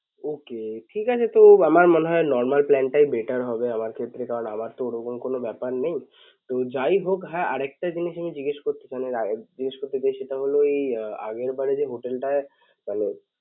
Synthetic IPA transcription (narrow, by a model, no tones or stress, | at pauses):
okeʈʰikat͡ɕʰet̪oamaɾmɔneɦɔenɔɾmalplɛɳʈajbeʈaɾɦɔbeamaɾkʰet̪ːɾekaɾona̰maɾt̪ooɾokomkonobɛpaɾnej̃ | t̪od͡ʑajɦokɦaea̰ɾɛk̚ʈad͡ʑiniʃamid͡ʑiɡeʃkoɾt̪et͡ɕanead͡ʑiɡeʃkoɾt̪et͡ɕajʃeʈaɦoloeja̰ɡeɾbaɾed͡ʑeɦoʈelʈae | mane